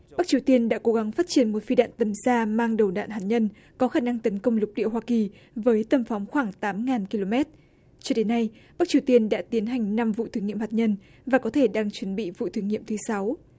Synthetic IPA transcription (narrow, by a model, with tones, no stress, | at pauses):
ɓa˦˥k̚t͡ɕi˨˩əwt̪i˧ənɗa̰ː˧˥ko˨˦ɣa˨˦ŋfaː˦˥t̚t͡ɕi˧˩ənmo˨˩t̚fi˧ɗa̰ː˧˨nt̪ə˨˩msaː˧maː˧ŋɗə˨˩wɗa̰ː˧˨nɦaː˨˩t̚ɲə˧n | kɔ˨˦xaː˧˩na˧ŋt̪ə˨˦nkə˧wŋ͡mlʊ˨˩k͡p̚ɗḭ˧˨əwɦwaː˧ki˨˩ | vəː˨˦jt̪ə˨˩mfa˨˦wŋ͡mxwaː˧˩ŋt̪aː˨˦mŋaː˨˩nki˧lo˧mɛ˦˥t̚ | t͡ɕɔ˧ɗe˨˦nːa˧jɓa˦˥k̚t͡ɕi˨˩əwt̪i˧ənɗa̰ː˧˥t̪i˨˦ənɦa˨˩jŋ̟na˧mvṵ˧˨t̪ʰɨ˨˦ŋḭ˧˨əmhaː˨˩t̚ɲə˧n | vaː˨˩kɔ˨˦t̪ʰe˧˩ɗaː˧ŋt͡ɕwə˨˦nɓḭ˧˨vṵ˧˨t̪ʰɨ˨˦ŋḭ˧˨əmt̪ʰɨ˨˦sa˨˦w